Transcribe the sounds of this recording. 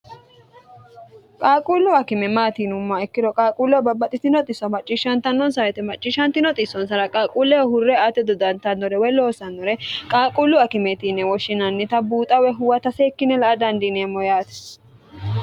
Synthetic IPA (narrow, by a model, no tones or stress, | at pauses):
kʼaːkʼulːʊɐkɪmɛmaːt̪iːnʊmːɐɛkːɪd̪ɔkʼaːkʼulːɔbɐbːɐt̪ʼɪt̪ɪnɔt̪ʼɪsːɔmɐt͡ʃʼːiʃːɐnt̪ɐnːɔnsɐwɛt̪ɛmɐt͡ʃʼːiʃːɐnt̪ɪnɔt̪ʼɪsːɔnsɐɾɐkʼaːkʼuːlːɛwɔhʊrːɛat̪ːɛd̪ɔd̪ɐnt̪ɐnːɔɾɛwɛlo̞ːsɐnːɔɾɛkʼaːkʼulːʊɐkɪmɛt̪inɛwɔʃɪnɐnːɛt̪ɐbuːt̪ʼɐwɛɦʊwɐt̪ɐsɛkːɪnɛlɐʔɐd̪ɐnd̪ɪneːmːɔjaːt̪ɛ̥s